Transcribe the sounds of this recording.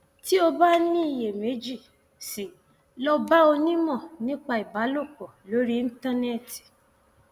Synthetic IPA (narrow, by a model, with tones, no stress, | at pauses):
ti˦o˧ba˦nĩ˦i˧˨je˨me˨˦d͡ʒi˦˨ | si˨ | lɔ˧ba˦o˧nĩ˦mɔ̃˦˨nĩ˦k͡pa˧i˨ba˨˦lo˦˨kɔ˨lo˨˦ɾi˦n̩ĩ˦ta˦ne˦˨ti̥˨